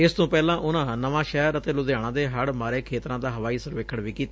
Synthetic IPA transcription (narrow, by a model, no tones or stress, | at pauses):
ɪst̪õːpɛːlãːʔʊnãːnəʋãːʃɛːəɾət̪eːlʊd̪jaːɽ̃ãːd̪eːɦəɽmaːɾeːkʰeːt̪ɾãːd̪aːɦəʋaːiːsəɾʋeːkʰːəɽʋiːkiːt̪ːaː